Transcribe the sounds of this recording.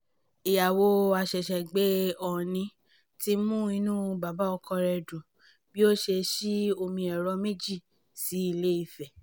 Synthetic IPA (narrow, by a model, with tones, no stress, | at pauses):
i˨ja˨wo˧˦a˧ʃɛ˨ʃɛ˨ɡ͡be˦ɔ˨nĩ˧˦ | ti˧˦mũ˦i˧nũ˦˧ba˨ba˨˦ɔ˧kɔ˧ɾɛ˧dũ˨ | bi˦o˦ʃe˧ʃi˦o˧mĩ˧ɛ˨ɾɔ˧me˦d͡ʒi˦˨ | si˨˦i˦˧˨le˦i˦˧˨fɛ˨